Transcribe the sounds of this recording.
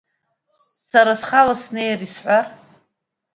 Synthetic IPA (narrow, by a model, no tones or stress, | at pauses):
saɾasχalasnejarisħʷar